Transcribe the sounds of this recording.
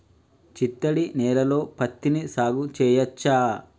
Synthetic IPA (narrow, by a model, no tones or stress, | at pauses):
t͡ʃit̪ːɐɽinɛːɾɐlo̞ːpɐt̪ːinisaːɡut͡ʃɛːjɐt͡ʃːaː